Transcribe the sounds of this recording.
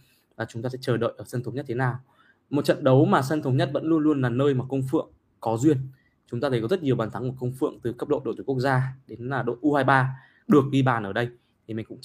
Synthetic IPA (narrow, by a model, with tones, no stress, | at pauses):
vaː˨˩t͡ɕʊ˨˦ŋ͡mt̪aː˧sɛ̰˧˥t͡ɕəː˨˩ɗə̰ː˧˨jʔəː˧˩sə˧nt̪ʰə˨˦ŋ͡mɲə˦˥t̚t̪ʰe˨˦naː˨˩w | mo˨˩t̚t͡ɕə̰˧˨nɗə˨˦wmaː˨˩sə˧nt̪ʰə˨˦wɲə˦˥t̚və̰˧˥nlu˧ənlu˧ənlaː˨˩nəː˧jmaː˨˩kə˧wŋ͡mfɨ̰˧˨əŋ | kɔ˨˦zwi˧ən | t͡ɕʊ˨˦ŋ͡mt̪a˧t̪ʰə˨˦jkɔ˨˦zə˦˥t̚ɲi˨˩əwɓaː˨˩nt̪ʰa˨˦ŋm̚˧˨˩kə˧wŋ͡mfɨ̰˧˨əŋt̪ɨ˨˩kə˦˥p̚ɗo̰˧˨jɗo̰˧˨˩kək̚zaː˧ɗe˨˦nlaː˨˩ɗo̰˧˨ʔu˧haː˧jɓaː˧ | ɗɨ˨˩ək̚ɗi˧ɓaː˨˩nʔəː˧˩ɗə˧j | t̪ʰi˨˩mï˨˩ŋ̟kʊ̰˧˥ŋ͡m